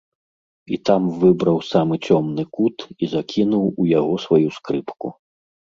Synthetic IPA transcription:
ḭt̪amvɨbɾɐwsamɨt͡sʲɔmnɨkut̪izakʲʰinuwujaɣɔsvajuskɾɨpku

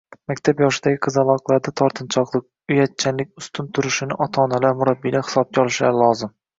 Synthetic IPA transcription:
makʲt̪ʰapjɒʃɪd̪aɡʲɪqʰɨzalˠɒqlˠaɾd̪at̪ʰɒɾt̪ʰɨnt͡ʃʰɒqlˠɨq̚ | ʊjat̪̚t͡ʃʰanlɪk̚ʲʊst̪ʰʊnt̪ʰʊɾʊʃɪnɪʔɒt̪ʰɒːnalaɾmʊɾabːijlahɨ̥sɒb̚kʲɒlˠɨʃlaɾɪlˠɒzɪm

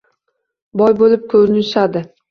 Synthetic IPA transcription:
bɒjbolɪp̚kʰɵɾɪnɪʃad̪ɪ

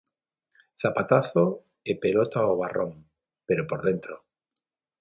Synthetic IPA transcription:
θapat̪aθo | epelot̪aoβ̞arʔoŋ | peɾopoɾðent̪ɾo

